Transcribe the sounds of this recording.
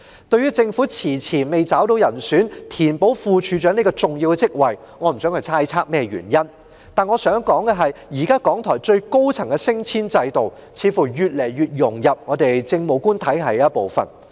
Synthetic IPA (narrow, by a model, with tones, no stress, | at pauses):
t̪ɵ˧ɥjɥyː˥t͡sɪ˧ŋfuː˨˥t͡sʰiː˨˩t͡sʰiː˨˩nme˨jt͡saː˨˥wt̪o˧wjɐ˨˩nsyː˨˥nt̪ʰiː˨˩npo˨˥wfuː˨˧t͡ʃʰyː˨˧t͡ʃœː˨˥ne˥kɔː˧t͡sʊ˨˩ŋjiː˧wkɛ˧t͡sɪ˥k̚wɐ˨j | ŋɔː˨˧m̩˨˩sœː˨˥ŋhɵ˨˧jtʰaː˧˥jt͡sʰaː˥k̚mɛː˥˩jy̰˨˩njɐ˥n | t̪aː˨˩nŋɔː˨˧sœː˨˥ŋkɔː˨˥ŋɡɛ˧ɦɐ˨jjiː˨˩kaː˥kɔː˨˥ŋt̪ʰɔː˨˩jt͡ʃɵ˧ɥko˥wt͡sʰɐ˨˩ŋkɛ˧sɪ˥ŋt͡sʰiː˥nt͡sɐ˧jt̪o˨w | t͡sʰiː˨˧fuː˨˩jyː˨˩t̚le˨˩jɥyː˨t̚jʊ˨˩ŋjɐ˨p̚ŋɔː˨˧t̪e˨jt͡sɪ˧ŋmo˨˧wkuː˥nt̪ʰɐ˨˥jɦɐ˨˥j̚po˨wfɐ̰˨˩n